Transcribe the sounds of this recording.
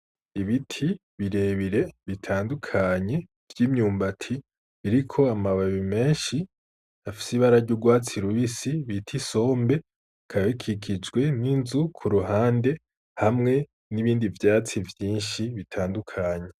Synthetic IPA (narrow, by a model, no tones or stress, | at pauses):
iβitʰi | βiɾe̞ːβiɾe̞βitʰaːndukʰaɲe̞ | v̥jiːmɲuːmbatʰi | βiɾikʰo̞amaβaβime̞ːnʃi | afi̥siβaɾaɾɟuɡwaːt͡siɾwisiβitʰiso̞ːmbe̞ | kʰaβekʰikʰid͡ʒɡwe̞ninzukʰuɾuɦaːnde̞ | hamŋe̞ | niβiːndivjaːt͡sivjiːnʃiβitʰaːndukʰaɲe̞